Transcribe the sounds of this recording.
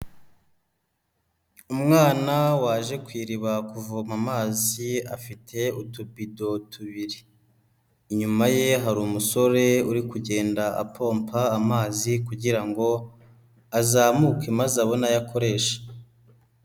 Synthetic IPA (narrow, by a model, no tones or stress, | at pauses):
umŋaːnawaːʒe̞kwiːɾiβakuvomamaːzia̰fitʰe̞utubido̞tʰuβiɾiː | ɲumaje̞ɦaɾuːmuso̞ɾe̞uɾikuɟe̞ːndaʔa̰pʰo̞ːmpʰaːmaːzikuɟiɾaŋɡo̞ | azaːmukemazaβo̞najakʰo̞ɾe̞ːʃḁ